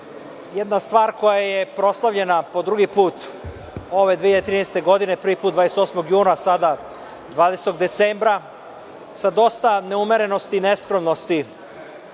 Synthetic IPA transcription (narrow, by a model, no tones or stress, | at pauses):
jed̪nast̪ʋaːɾko̞jaje̞pɾo̞slˠaʋʎe̞napo̞d̪ɾuɡipuːt̪ | o̞ʋe̞d̪iːçjad̪et̪ɾiːnest̪e̞ɡo̞d̪inepɾʋipuːt̪d̪vad̪eset̪osmo̞ɡjuːnasad̪a | d̪ʋaːd̪eset̪o̞ɡd̪e̞t̪seːmbɾa | sad̪o̞st̪ane̞umeɾe̞no̞st̪ine̞skɾomno̞st̪i